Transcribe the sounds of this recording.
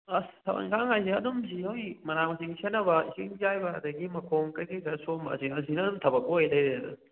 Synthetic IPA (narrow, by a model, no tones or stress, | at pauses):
ɐstʰɐba̰ŋkʰaŋhajsiɐdumsiojmɐnamɐsiŋsenɐbɐḭsiŋzajbɐɐ̰dɐɡimɐkʰoŋkɐɡisɐsomɐ̰ziɐsinɐtʰɐbɐk̚oɦejlɐjɾeɐdṵ